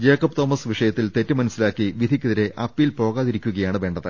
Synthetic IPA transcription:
d͡ʑe̞ːkːɐpt̪o̞ːmɐsʋiʂɐjɐt̪ːilt̪e̞tːɨmɐnusːilaːkːiʋid̪ʱikʲːuðiɾe̞ʔɐpːilpo̞ːɣaːðiɾikʲːuɣɐjaːɳɨʋe̞ːɳɖɐðɨ

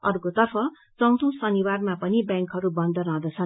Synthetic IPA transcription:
ʌrkot̪ʌrpʰʌ | t͡sʌwt̪ʰũsʌniwarmapʌnibjãŋkɦʌɾubʌnd̪ʱʌɾãd̪ʌt͡sʰʌ

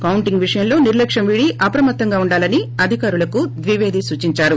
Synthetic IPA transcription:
kɐwuɳʈiŋɡʋiʂɐjɐmlo̞ːniɾlɐkʂɐmʋiːɽiʔɐpɾɐmɐt̪ːɐŋɡaːuɳɖaːlɐniɐd̪ʱikaːɾulɐkud̪ʋiʋe̞ːd̪ʱisuːt͡ʃiɲt͡ʃaːɾu

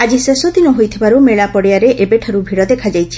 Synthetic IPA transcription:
ad͡ʒisesɔd̪inɔɦojt̪ʰibaɾumeɭapɔɽijaɾeʔebeʈʰɔɾubʱiɽɔd̪ekʰad͡ʒajt͡ʃʰi̥

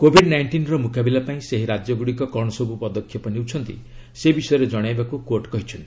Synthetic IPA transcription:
kobʱiɖnajɳʈinɾɔmukabilapaĩseɦiɾad͡ʒjɔɡuɽikɔkɔɽ̃ɔsɔbupɔd̪ɔkʰjɔpɔnewt͡ʃʰɔnt̪ḭ | sebisɔjɔɾed͡ʒɔɽ̃ajbakukoɾʈkɔɦit͡ʃʰɔnt̪ii

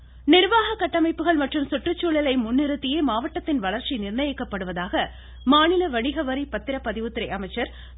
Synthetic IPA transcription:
nɪɾʋaːɣɐkːɐʈːɐmɐɪpːɯɣɐɭmɐʈrɯmsʊʈrɯt͡ʃːuːɭɪlɐɪmʊnːɪɾɯt̪ːɪjeːmaːʋɐʈːɐt̪ːɪnʋɐɭɐɾt͡ʃinɪrnɐjɪkːɐpːɐɽɯʋɐðaːɣɐ | maːnɪlɐʋɐɳɪɣɐʋɐɾipɐt̪ːɪɾɐpːɐðɪʋɯt̪ːɪɾɐɪʔɐmɐɪt͡ʃːɐɾ

